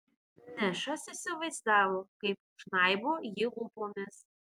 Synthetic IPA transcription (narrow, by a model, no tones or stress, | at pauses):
nʲɛʃɐsɪsʲɪʋɐɪzd̪ɑːʋoːkɐɪp̚ | ʃnɑɪboːjɪlʊpomʲɪs